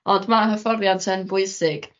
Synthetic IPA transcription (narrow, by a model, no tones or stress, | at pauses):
ɔndmaɦəfɔrjantʰənbʊɨsɪɡ̥